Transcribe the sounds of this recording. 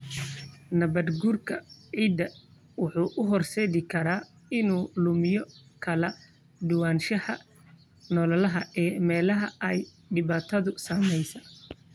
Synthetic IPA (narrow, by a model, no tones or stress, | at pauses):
nɐβɐd̪ɡuːrkʰɐʕiːd̪ɐ | wʊħuːʔʊɦɔrʃɛːɣɪkʰɐɾaː | ɪnuːlʊmɪjɔkʰɐlɐ | ɖʊwaːnʃɐhɐ | nɔlɐlɐɦɐɛːmɛːlɐɦɐʔɛj | ɖɪβaːt̪ʰɐðʊsaːmɛjsɐ